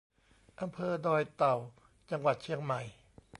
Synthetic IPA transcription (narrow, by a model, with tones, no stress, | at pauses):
ʔa˧mpʰɤː˧dɔː˧jt̪a˨˩w | t͡ɕa˧ŋwa˨˩t̪̚t͡ɕʰi˧əŋma˨˩j